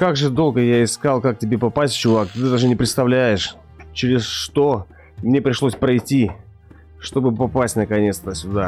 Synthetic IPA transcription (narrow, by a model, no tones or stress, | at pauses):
kaɡʐɨd̪o̞lˠɡəjaɪskalˠkak̚tʲɪbʲepɐpasʲtʲt͡ɕʊvak̚t̪ɨɨd̪aʐɨnʲɪpɾʲɪt̪st̪ɐvlʲæjɪʂ | t͡ɕɪɾʲɪsʂt̪o̞ | mnʲe̞pɾʲɪʂlˠosʲpɾɐjtʲi | ʂt̪o̞bɨpɐpasʲtʲnəkɐnʲe̞t̪st̪əsʲʊd̪a